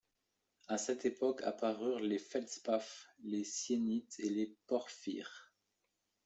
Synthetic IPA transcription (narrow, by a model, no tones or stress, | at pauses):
asɛt̪epɔkʰa̰paʁyʁlefɛlspaflesjenit̪ʰelepɔʁfḭːʁ